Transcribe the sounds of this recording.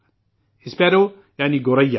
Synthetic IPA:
ispɛɾo | janiɡoɾɐjːa

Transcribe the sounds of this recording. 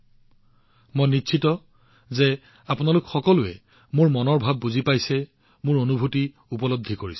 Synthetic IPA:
mojnitːʃʰitɔ | zɛ | apʊnalʊkxɔkɔlʊɛ̰ | mʊɹmɔnɔɹbʱabːuzipajsɛ | mʊɹonubʱuti | upɔlod̪ʱːikoɹis

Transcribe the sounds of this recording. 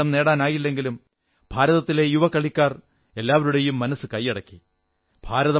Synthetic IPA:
ɐmne̞ːɽaːnaːjilːe̞ŋɡilum | b̥ʱaːɾɐðɐt̪ːile̞juʋɐkːɐɭikʲːaːr | e̞lːaːʋɐɾuɽejumːɐnɐsːɨkɐjːɐɽɐkːi̥ | b̥ʱaːɾɐðɐ

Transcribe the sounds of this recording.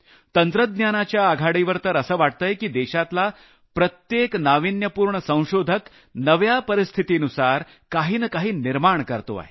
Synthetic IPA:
t̪ənt̪ɾəd̪̚njanat͡ɕjaːɡʱaɽiʋəɾt̪əɾəsəːʋaʈ̚t̪əjkiːd̪ɛɕat̪la | pɾət̪jeknaʋinjəpuːɾɳəsə̃w̃ɕod̪ʱək | nəʋjapəɾist̪ʰit̪inusaɾ | kaɦiːnəkaɦiːniɾmaɳkəɾt̪o̰a̰ɦe

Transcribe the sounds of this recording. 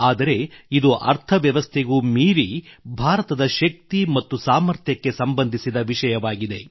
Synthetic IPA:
aːd̪ɐɾe̞id̪uʔɐ̰ɾt̪ʰɐʋjɐʋɐst̪ʰeɡuːmiːɾibʱaːɾɐt̪ɐd̪ɐʃɐk̚t̪imɐt̪ːusaːmɐɾt̪ʰjɐkːe̞sɐmbɐnd̪ʱisid̪ɐʋiʂɐjɐʋaːɡid̪e̞

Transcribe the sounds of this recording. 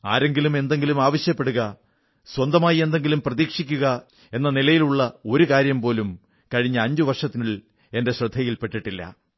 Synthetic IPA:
a̰ːɾe̞ŋɡilume̞nd̪e̞ŋɡilumaːʋɐɕjɐpːe̞ɽuɣɐ | swɐnd̪ɐmaːjie̞nd̪e̞ŋɡilumprɐðiːkʂikʲːuɣɐ | e̞nːɐnilɐjiluɭːɐo̞ɾukaːɾjɐmpo̞ːlum | kɐɻiɲːɐːɲd͡ʑuʋɐrʂɐt̪ːiniɭ | e̞nde̞ɕrɐd̪ʱːɐjilpe̞ʈːiʈːilːɐ̰

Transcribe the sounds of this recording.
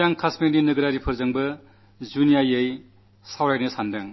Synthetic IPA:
aŋkʰasmininɯɡɯɾaɾipʰɯɾzɐŋbɐ | zunijajej | sawɾajnɯsandaŋ

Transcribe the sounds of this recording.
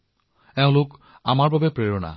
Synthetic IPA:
ɛʊ̃lʊk | amaɹbabɛpɹeɹɔna̰

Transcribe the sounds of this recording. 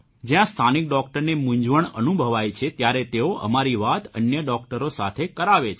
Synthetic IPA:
d͡ʒjãst̪ʰanik̚ɖɔk̚ʈəɾnemʊ̃ɲd͡ʒʋəɳə̰nubʱəʋajt͡ʃʰet̪jaɾet̪eoʔə̰maɾiʋat̪ʰənjəɖɔkʈəɾosat̪ʰekəɾaʋet͡ʃʰ

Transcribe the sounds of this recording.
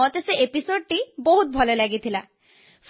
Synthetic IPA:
ɔt̪eseepisoɖ̚ʈiboɦut̪̚bʱɔlolaɡit̪ʰila | f

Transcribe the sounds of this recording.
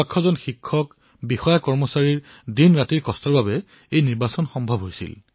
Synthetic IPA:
akʰːɔzɔnxikʰːɔk | bixɔjakɔɹmɔsaɹiɹ | dinɹatiɹkɔstɔɹbabɛ | ejniɹbasɔnxɔmbʱɔbɦojsḭl

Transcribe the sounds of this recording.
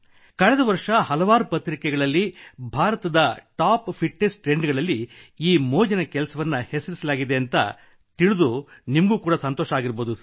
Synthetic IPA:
kɐɭɛd̪ɐʋɐɾʂɐhɐlɐʋaːɾupɐt̪ɾikɛɡɐɭɐlːibʱaːɾɐt̪ɐd̪ɐʈaːppʰiʈːesʈɾe̞ɳɖɡɐɭɐlːiiːmoːd͡ʒɐnɐkɛlɐsɐʋɐnːɐhesɐɾisɐlaːɡid̪eɐnt̪ɐ̰ | t̪iɭud̪unimɡuːkuːɽɐsɐnt̪ɔːʃaːɡiɾboːd̪u

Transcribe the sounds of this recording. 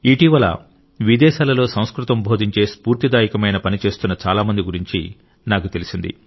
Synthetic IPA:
iʈiʋɐlɐ̰ | ʋid̪ɛːʃaːlɐlo̞ːsɐ̃w̃skɾut̪ɐmbʱo̞ːd̪ʱiɲt͡ʃe̞ːspuːɾt̪id̪aːjikɐmɐjnɐpɐnit͡ʃe̞ːst̪unːɐt͡ʃaːlaːmɐnd̪iɡuɾiɲt͡ʃi | naːkut̪elisind̪ḭ

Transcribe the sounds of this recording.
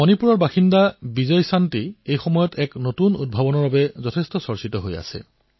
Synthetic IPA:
ɔnipuɹɔɹbaxindabizɔjsantiejxɔmɔjɔtɛknotunṵd̚bʱɔbɔnɔɹbabɛzɔtʰɛstɔsɔɹsitɔɦoja̰sɛ̰

